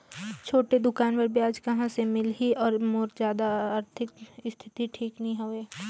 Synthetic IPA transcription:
t͡ʃʰoːʈed̪ʊkaːnʋəɾbiaːd͡ʒkɐɦãsemɪlɦiɔːɾmoːɾzjaːd̪aaːɾt̪ʰɪkst̪ʰɪt̪iʈʰiːknəɐɦĩɦoːeː

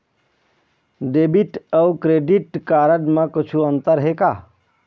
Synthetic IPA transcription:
ɖeːbiʈəwkɾeːɖiʈkaːɾəɖ̪mãkʊt͡ʃʰuə̃nt̪əɾɦekaː

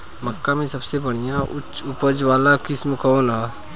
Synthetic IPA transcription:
məkːamẽsɐbsebəɽ̃ijãʔʊt͡ʃːʊpəd͡ʒʋaːlakɪsmkɔːnɦa

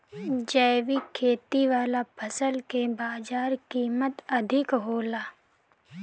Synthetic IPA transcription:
d͡ʒɛːʋikʰeːt̪iʋaːlapʰəsəlkebaːd͡ʒaːɾkiːmət̪ɐd̪ʱɪkɦoːlaː

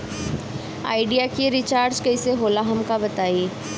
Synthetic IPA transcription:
a̰ːɪɖijakeɾɪt͡ʃaːɾd͡ʒkɐɪseɦoːlaɦɐmkabɐt̪aːieː

